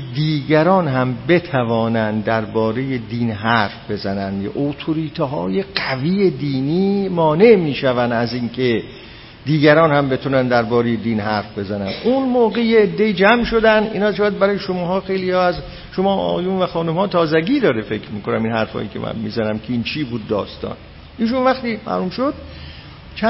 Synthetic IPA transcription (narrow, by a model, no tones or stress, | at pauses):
d̪iːɡæɾɒːnɦæmbe̞t̪ʰævɒːnænd̪d̪æɾbɒːɾejed̪iːnɦæɾfbe̞zænænd̪ʔot̪ʰoɾiːt̪ʰɦɒːje̞ɡæviːed̪iːniːmɒːne̞ʔmiːʃævænæziːŋkʰe | d̪iːɡæɾɒːnhæmbe̞t̪ʰunænd̪æɾbɒːɾejed̪iːnɦæɾfbe̞zænænʔunmoːɣejeːd̪ːe̞iːd͡ʒæmʃo̞d̪ænd̪ḭːnɒːʃɑːjæd̪̚bæɾɒːjeʃomɒːɦɒːxe̞jliɒːæz | ʃomɒːɒ̰ːjunvæxɒːnumhɒːt̪ʰɒːzæɡiːd̪ɒːɾefe̞kʰɾmiːkonæminhæɾfɒ̰ːjicʰe̞̰mʔæ̰nmiːzænæmkʰeiːnt͡ʃʰiːbuːd̪ːɒ̰ːst̪ɒ̰ːn | ʔiːʃ̬unvæxt̪iːmæ̰hlumʃod̪̥̚ | t͡ʃʰæ